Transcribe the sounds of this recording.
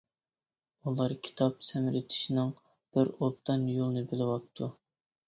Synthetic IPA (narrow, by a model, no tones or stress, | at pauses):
ulˠɑɾkʲʰi̥t̪ʰɑpsɛmɾɪt̪ʰɪ̥ʃinɨŋ | b̥ɪɾop̚t̪ʰɑnjolˠnɨbɪlɪwɑp̚t̪ʰːu